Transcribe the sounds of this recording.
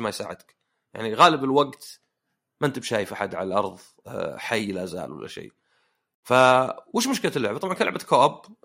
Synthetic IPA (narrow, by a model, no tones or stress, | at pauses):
majsa̰ːʕɪd̪k | ja̰ʕniɣaːlɪbɪlwaɡt̪ | mant̪ɪbʃaːjfʔaħad̪ʕa̰lalʔɑɾˤðˤ | ħajːlaza̰ːlwa̰lːa̰ʃḛː | fawɪːʃmʊʃkɪlalːʊʕbatˤɑbʕnkanlʊʕbakawab